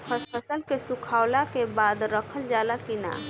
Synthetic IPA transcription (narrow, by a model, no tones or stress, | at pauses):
pʰəspʰəsəlkesũkʰaʊlakebad̪ɾəkʰəld͡ʒalakina̰